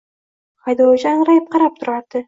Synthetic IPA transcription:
χɑjd̪owd͡ʒanɾajp̚qɑɾap̚t̪ʰʊɾaɾd̪̥ɪ

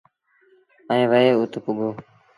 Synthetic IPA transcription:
əẽːʋəeːut̪kʊɡoː

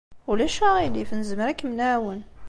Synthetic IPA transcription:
ulæʃæʁilifnəzəmɾækmnæwən

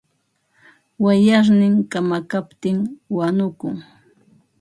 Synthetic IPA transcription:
wajaɾnɪŋkamakapt̪ɪŋwanʊkʊŋ

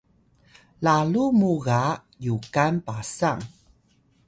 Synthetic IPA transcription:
lalumuɣa | jukanpasaŋ

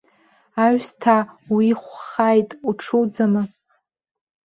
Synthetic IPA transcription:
aɥstʰawiχʷχajtʼuʈ͡ʂʰuwd͡zamɨ

